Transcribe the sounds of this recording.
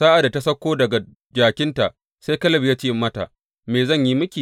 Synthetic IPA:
saː˦ʔa˨da˨ta˦sɐ˦kʷːoː˦dɐ˨ɡa˨ | d͡ʒaː˨kʲɪ˦nta˨ʔ | se˦jkɐ˦lɐ˦˨bjaː˦t͡ʃeː˦mːɐ˦ta̰˨ | meː˨zɐ˦˨ɲji˦mʊ˦kʲiː˨

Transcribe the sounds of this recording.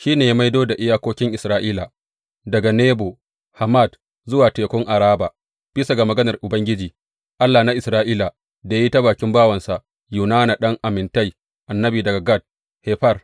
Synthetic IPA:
ʃiː˦neː˨ja˦ma˦jdoː˦da˨ʔɪ˦jaː˦kʷoː˦kʲɪ˦ŋʔɪ˨sɾaː˦ʔiː˦la˨ | dɐ˨ɡa˨neː˦bo˨ | ha˨ma˦˨d | zʊ˦waː˨teː˨kʷʊ˦ŋʔa˨ɾaː˦baː˨ | b̥i˦sa˨ɡa˨mɐ˨ɡɐ˦nɐ˨rʔʊ˨bɐ˦ŋɡʲɪ˦d͡ʒiː˨ | ʔa˦lːaː˨na˦ʔɪ˨sɾaː˦ʔiː˦la˨ | da˨ja˦ji˦ta˦baː˨kʲɪ˦mbaː˦wɐ˨nsa˨ʔ | juː˨naː˦na˨ɗɐ˦ŋʔa˨mɪ˨nta˦j | ʔa˨nːɐ˦biː˨dɐ˨ɡa˨ɡa˦˨d̚ | heː˨ɸɐ˦˨r

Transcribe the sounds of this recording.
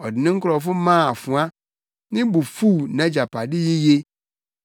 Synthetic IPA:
ɔ˨dɪ˨nɪ̃˦ŋ̩˦kʰʊ˦ɾɔ˨fʊ˦mã˦˨a˨fʊ̃˨a˦ | nɪ̃˦bu˨fuː˦˨nã˦d͡ʑa˨pʰa˨dɪ˦ji˦je˦

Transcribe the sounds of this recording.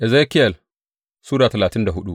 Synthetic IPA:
ʔɛ˨ze˦kɪ˦ɐ˨l | suː˦ɽaː˨tɐ˨laː˨tɪ˦nda˨ɦʊ˦ɗu˦ʔ

